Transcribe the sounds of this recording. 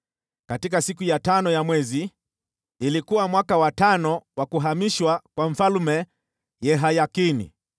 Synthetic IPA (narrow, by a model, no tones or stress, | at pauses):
katik̬asikujatanɔjamwɛziː | likuwamwakawatanɔwakuɦamiʃwakwaɱ̩falumɛ | jɛɦajakinḭ